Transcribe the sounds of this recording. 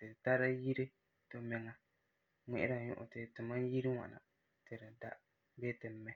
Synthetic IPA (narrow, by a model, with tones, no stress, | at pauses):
tɨ˨ta˦ɾa˦ji˦ɾɨ˦ | to˨˦mɛ˨ŋa˨ | ŋʷɛ˦ʔɪ˦ɾa˨ɲʊ̰˦ʔʊ̰˨tɨ˨tɨ˨ma˦n˦ji˦ɾi˦ŋʷa̰˨na̰˨ | tɨ˨ɾa˨da̰˦ | be˦tɨ˨m̩ː˦ɛ˦